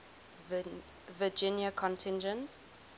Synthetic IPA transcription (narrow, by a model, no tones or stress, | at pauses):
vəd͡ʒɪ̃njəkʰɔ̃ntʰɪ̃nd͡ʒə̃nt